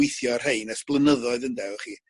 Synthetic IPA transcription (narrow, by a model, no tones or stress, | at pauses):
ɪɨθjɔr̥heɨnɛsb̥lˠənəðɔɨðəndɛvɔχiː